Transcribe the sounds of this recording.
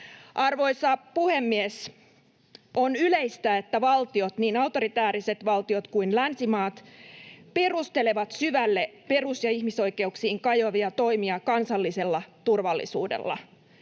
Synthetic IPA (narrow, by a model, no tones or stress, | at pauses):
ʔɑrʋo̞jsɑpuhe̞mːies | ʔo̞nyleist̪æet̪ːæʋɑlt̪io̞t̪niːnɑwt̪o̞ɾit̪æːɾise̞t̪ʋɑlt̪io̞t̪kuinlænsimɑːt̪ | pe̞rust̪e̞le̞ʋɑt̪syʋælːepe̞rusjɑihmiso̞jke̞uksiːŋkɑjoʋiɑt̪o̞imiɑkɑnsɑlːise̞lːɑt̪urʋɑlːḭsṵːdḛlːɑ̰